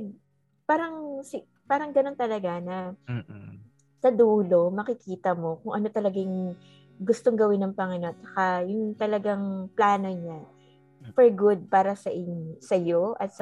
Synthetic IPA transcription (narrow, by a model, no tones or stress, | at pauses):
paːɾɐŋsɪ | paːɾɐŋɡɐno̞nt̪ɐlɐɡanɐ | sɐd̪uːlo̞mɐkɪkiːt̪ɐmo̞kʊŋʔɐno̞t̪ɐlɐɡaŋ | ɡʊst̪oŋɡɐwɪnːɐŋpɐŋɪnot͡ʃɐ̥kajʊŋt̪ɐlɐɡaŋplaːno̞ɲa | fɛɹɡʊd̪̚paːɾɐsɐʔɪɲsɐjo̞ʔɐt̪s